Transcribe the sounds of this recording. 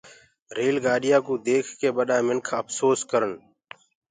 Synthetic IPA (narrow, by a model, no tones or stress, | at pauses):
ɾeːlɡaːɗɪjaːkũːd̪eːkʰkeːɓəɗaːmɪŋkʰəpsoːskəɾəɳ